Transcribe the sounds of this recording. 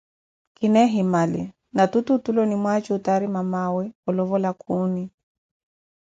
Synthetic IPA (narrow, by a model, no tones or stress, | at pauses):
kinɛɦimalḭ | natututulɔnimwat͡ʃuutaɾimamawɛɔlɔβɔlakʰuni